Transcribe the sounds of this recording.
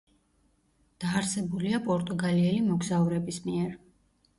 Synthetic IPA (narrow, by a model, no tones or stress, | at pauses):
d̪̥aːɾsɛbuliapʼɔɾt̪ʼuɡaliɛlimɔɡzauɾɛbismiɛɾ